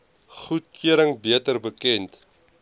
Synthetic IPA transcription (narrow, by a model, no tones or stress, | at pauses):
χut̚kʰyəɾəŋbiətərbəkɛnt